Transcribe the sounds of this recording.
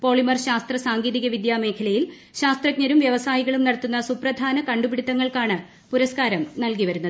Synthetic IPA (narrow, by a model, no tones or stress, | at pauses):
po̞ːɭimɐrɕaːst̪rɐsaːŋɡiːðiɣɐʋid̪jaːme̞ːkʰɐlɐjil | ɕaːst̪rɐk̚ɲɐɾumʋjɐʋɐsaːjiɣɐɭumniɽɐt̪ːunːɐsuprɐd̪ʱaːnɐkɐɳɖubiɽit̪ːɐŋːɐɭkaːɳɨ | puɾɐskaːɾɐmnɐlkiʋɐɾunːɐðɨ